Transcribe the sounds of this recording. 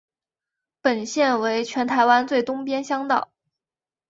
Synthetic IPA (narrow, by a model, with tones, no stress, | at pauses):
pə˨˩nɕjɛ˥˩nwe˧˥ɪt͡ɕʰɥɛ˧˥nt̪ʰa˧˥ɪwa˥nt͡swe˥˩ɪt̪ʊ˥ŋpjɛ˥nɕjɑ˥ŋt̪ɑ̰˥˩ʊ